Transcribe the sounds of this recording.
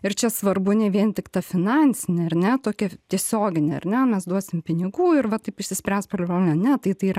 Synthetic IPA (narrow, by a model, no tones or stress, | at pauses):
ɪrt͡ʃʲɛsʋɐrbʊnʲɛʋʲiɛnt̪ʲɪkt̪ɑfʲɪnɑnʲsʲɪnʲɪɐrnʲɛt̪oːkʲɛt̪ʲiɛsʲoːɡʲɪnʲeɐ̰rnʲɛmʲɛsd̪uɔsʲɪmʲpʲɪnʲɪɡuːɪɾʋɐt̪ɐɪpɪʃʲsʲɪsʲpʲɾʲæspʲɐrlʲbʲloːlʲnʲɛnʲɛt̪ɐɪt̪ɐiːɾɐ